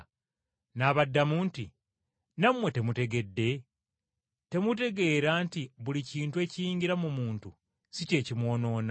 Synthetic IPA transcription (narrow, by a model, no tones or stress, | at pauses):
naːβadːamuːnti | namwe̞te̞mute̞ɡe̞dːe̞ | te̞mute̞ɡe̞ːɾaːntiβuliciːntue̞ːcijiːɲɟiɾamumuːntu | sice̞ːcimwo̞ːno̞ːna